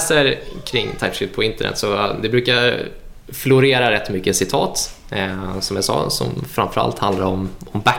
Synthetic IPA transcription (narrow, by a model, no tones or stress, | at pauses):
səɾkʰɾɪŋːt̪ʰajfʏt̪̚pʰɔɪnt̪əɳʔɛ̰t̪sɔd̪ɛbɾʉːka | flʊɾeːɾaɾɛt̪ːmʏkːəsɪt̪ʰɑːt̪ | sɔmjasɑ̰ːsɔ̰mfɾamfœɾa̰lt̪hand̪aɾɔmɔmbæ